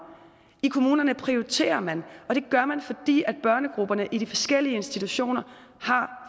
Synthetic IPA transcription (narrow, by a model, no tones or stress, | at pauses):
ikʰo̝muːnɐnəpʰʁiot͡sʰe̝̰ːɐmænɒ̽d̥e̝ɡ̥ɶɐmænfɒ̽d̥ḭːæd̥̚b̥ɶɐnəɡ̥ʁub̥ɐnəʔiɾ̥ifɒ̽sɡ̥el̰iəe̝nsd̥it͡sʰuɕo̝̰ːnɐ | hɑ̈